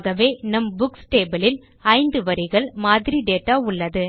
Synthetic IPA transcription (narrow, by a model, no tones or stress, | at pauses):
ɣɐʋeːnɐmbʊksʈeːbɐlɪl | ɐɪnd̪ɯʋɐɾɪɣɐɭmaːðɪɾiɖeːʈːaːʊɭːɐðɯ